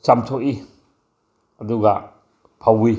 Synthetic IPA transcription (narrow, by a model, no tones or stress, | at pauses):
samtʰɔʔi | ɐduɡa | pʰawi